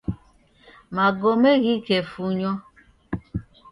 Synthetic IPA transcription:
maɡomeɣikefuɲɔ

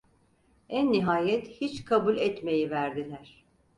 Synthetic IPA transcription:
ænːiɦaːjɛt̪hit͡ʃkʰabulʲɛt̪me̞jivæɾd̪ilʲæɾ̥

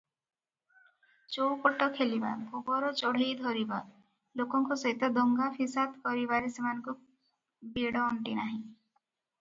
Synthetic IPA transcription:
t͡ʃowkoʈɔkʰeliba̰bʱubɔɾɔt͡ʃoɽ̤ejd̪ʱɔɾiba | lokɔŋkɔsɔɦit̪ɔd̪ɔŋɡapʰisad̪kɔɾibaɾesemanɔŋku | beɽɔːɳʈinaɦĩ

